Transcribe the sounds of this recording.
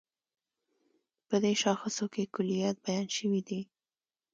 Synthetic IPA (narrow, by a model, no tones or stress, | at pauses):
pəd̪eʃɑxəsokekʊlijat̪̚bajɑnʃəwid̪i